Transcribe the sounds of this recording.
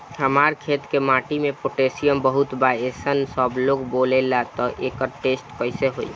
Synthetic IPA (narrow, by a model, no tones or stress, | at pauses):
həmaɾkʰet̪kemaːʈimepoʈesijəmbəɦut̪baesənsəbloɡbolelat̪ɔʔeːkəɾʈeːsʈpəɪseɦoḭ